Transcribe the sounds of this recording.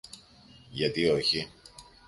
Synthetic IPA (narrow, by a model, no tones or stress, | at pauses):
ʝɐt̪ioçi